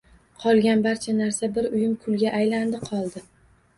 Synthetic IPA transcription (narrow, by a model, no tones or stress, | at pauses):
qʰɒlˠɡʲanbaɾt͡ʃʰanaɾsabɪɾʊjɪmkʰʊlɡʲaʔːjland̪ɪqʰɒlˠd̪ɪ